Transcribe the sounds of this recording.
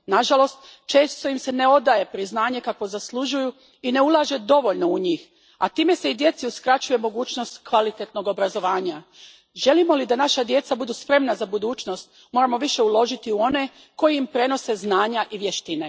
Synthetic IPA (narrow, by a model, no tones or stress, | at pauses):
naʒalo̞st̪t͡ʃe̞ːst̪o̞imse̞ne̞o̞d̪aje̞pɾiznaːɲe̞kakʋo̞zaslˠuʒuju | ine̞ulˠaːʒe̞d̪o̞ʋo̞ʎno̞uɲiːx | a̰t̪iːme̞se̞id̪je̞t̪siuskɾat͡ɕuje̞mo̞ɡuːt͡ɕno̞st̪kʋalit̪et̪no̞ɡo̞bɾazo̞ʋaːɲa | ʒe̞limo̞lid̪anaʃad̪je̞t̪sabud̪uːspɾe̞mnazabud̪uːt͡ʃno̞st̪̚ | mo̞ːɾamo̞ʋiʃe̞ulˠo̞ʒit̪iuo̞ne̞ | ko̞jiimpɾe̞no̞se̞znaːɲaʔiʋjeʃt̪ine̞